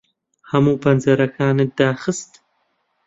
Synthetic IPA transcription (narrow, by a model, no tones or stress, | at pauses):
hamuːpɐnzɐɾɐkʰaːnɨd̪̥aːxɨst̪